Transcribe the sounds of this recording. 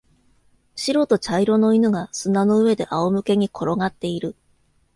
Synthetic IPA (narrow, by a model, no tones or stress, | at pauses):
ɕiɾo̞t̪o̞t͡ɕaiɾo̞no̞inɯ̟ɡasɨnano̞ɯ̟e̞d̪e̞̰ʔaomɯ̟ke̞ɲ̟ikʰo̞ɾo̞ŋat̪ːe̞iɾɯ̟